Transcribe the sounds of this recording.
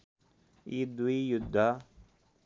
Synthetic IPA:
id̪uijud̪ːa

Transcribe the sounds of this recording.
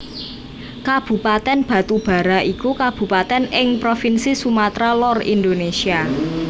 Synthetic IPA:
kab̥ṳpat̪ɛnb̥ä̤t̪ub̥a̤ɾaʔikukab̥ṳpat̪ɛnɪŋpɾofinsisumat̪ɾalɔrḭnd̪onesia

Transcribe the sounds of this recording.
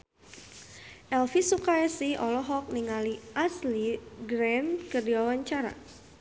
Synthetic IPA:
ʔɛlfisukaɛsiɔlɔɦɔk̚niŋaliʔasliɡɾɛnkərdiwawaɲt͡ʃaɾa̰

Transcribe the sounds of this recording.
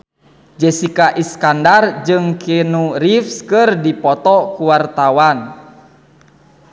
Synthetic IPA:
d͡ʒɛsikaʔiskandard͡ʒɨŋkinuɾifskɨrdipɔt̪ɔkuwart̪awan

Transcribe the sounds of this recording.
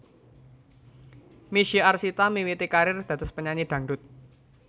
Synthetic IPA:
miʃiarsit̪amiwit̪ikaɾɪrd̪̥ä̤t̪ʊspəɲanid̪̥ä̤ŋɖʊt̪̚

